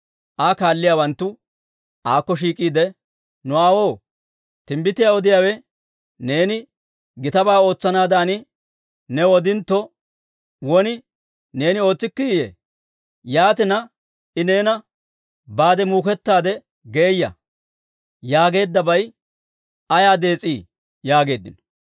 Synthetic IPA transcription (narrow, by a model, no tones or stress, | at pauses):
ʔakaːlːɪjaːwɐnt̪ːʊ | ʔaːkːɔʃ̬iːkʼiːd̪ɛ | nʊaːwo̞ː | t̪ɪmbɪt̪ːɪjaɔd̪ɪjaːwɛ | ne̞ːnɪ | ɡɪt̪ɐbaːo̞ːt͡sːɐnaːd̪aːnɪ | nɛwɔd̪ɪnt̪ːɔ | wɔnɪ | ne̞ːnɪo̞ːt͡sːɪkːɪjjɛ̰ | jaːt̪ɪnɐ | ɪne̞ːnɐ | baːd̪ɛmuːkɛt̪ːaːd̪ɛ | ɡe̞ːjːɐ̰ | jaːɡe̞ːd̪ːɐbɐj | ɐjaːd̪e̞ːt͡sʼiː | jaːɡe̞ːd̪ːɪnɔ̥